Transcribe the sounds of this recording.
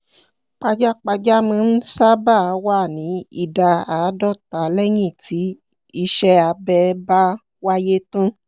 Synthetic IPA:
k͡pa˧d͡ʒa˦k͡pa˧d͡ʒa˦mɔ̃˧n̩˦sa˦ba˦˨˧wa˦˨nĩ˨˦ḭ˦˨da˨a˨˦dɔ˦˨ta˨˦lɛ˦j̃ĩ˦˨tʰi˨˦ | i˧ʃɛ˧a˧bɛ˧˦ba˦ | wa˦je˦tũ˦

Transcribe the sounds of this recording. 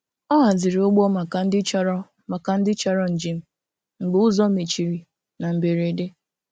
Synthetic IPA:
ɔ˦ɦa˨zɪ˨ɾi˨ʊ˦ɡ͡bɔ˦ma˨ka˨n̩˦dɪ˦t͡ʃɾ | ma˨ka˨n̩˦dɪ˦t͡ʃa˦ɾɔ˦n̩˨d͡ʒi˦m̩˦ | ŋ͡m̩˨ɡ͡be˨˦ʊ˦zɔ˦me˨t͡ʃi˨ɾi˨ | na˨m̩˨be˨ɾe˨de˦

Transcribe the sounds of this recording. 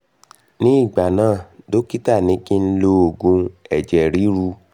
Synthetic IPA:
nĩ˦i˦˨ɡ͡ba˨nãː˦˨do˦ki˦ta˦˨nĩ˨˦ki˦n̩˦lo˦o˧˨ɡũ˧ɛ˨d͡ʒɛ˨ɾi˨˦ɾu˧

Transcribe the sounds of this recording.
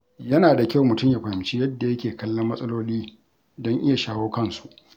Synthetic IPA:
jɐ˦naː˨da˨kʲa˦˨wmʊ˨tʊ˦˨mja˨ɸɐ˨ɪ˨mt͡ʃi˦jɐ˦dːa˨jɐ˦kʲeː˨kɐ˦lːɐ˦mːɐ˦sʼɐ˦loː˦liː˦ | dɔ˦ŋʔɪ˦ja˨ʃaː˦woː˦kɐ˦˨nsu̥˨ʔ

